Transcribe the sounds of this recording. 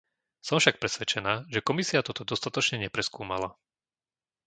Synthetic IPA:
sɔmfʃak̚pɾɛsʋɛt͡ʃɛnaːʒɛkɔmisiat̪ɔt̪ɔd̪ɔst̪at̪ɔt͡ʃɲɛɲɛpɾɛskuːmala

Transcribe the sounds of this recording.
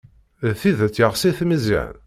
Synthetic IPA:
θiðt͡sːjəʁsiθməzḭʕ̰n

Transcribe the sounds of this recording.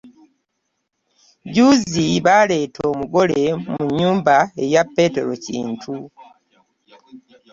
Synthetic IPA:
ɟuːziβale̞ːtʰo̞ːmuɡo̞le̞muɲːuːmbae̞japːe̞ːte̞̰ɾo̞̰cḭːntʰu

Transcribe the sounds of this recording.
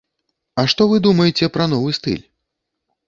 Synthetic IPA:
ɐʂt̪ɔvɨd̪umɐjɛt͡sʲɛpɾɐn̪ɔvɨst̪ɨ̰lʲ

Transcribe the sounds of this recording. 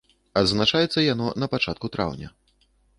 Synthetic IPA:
ɐd̪znat͡ʂajɛt̪sːɐjanɔnɐpat͡ʂat̪kut̪ɾa̰wnʲɐ̰

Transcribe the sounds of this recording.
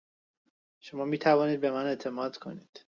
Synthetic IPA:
ʃo̞mɒːmiːt̪ʰævɒːniːd̪̚be̞mæne̞t̪ʰe̞mɒːd̪̥kʰo̞̰niːd̪̥

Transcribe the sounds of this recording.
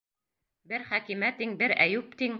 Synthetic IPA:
bɘɾχækimæt̪iŋbɘɾæjʉp̚t̪iŋ

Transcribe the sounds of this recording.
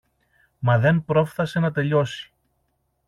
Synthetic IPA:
mɐðe̞npɾo̞fθɐse̞nɐt̪e̞ʎo̞si̥

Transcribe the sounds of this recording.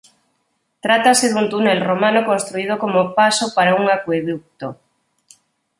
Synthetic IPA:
t̪ɾat̪aseðunt̪unelromãnokonst̪ɾuið̞okomopasopaɾauŋakweðuk̚t̪o

